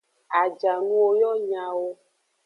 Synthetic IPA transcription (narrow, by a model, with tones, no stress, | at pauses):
a˨d͡ʒa˨nũ˦wo˦jɔ˦ɲã˨wo˦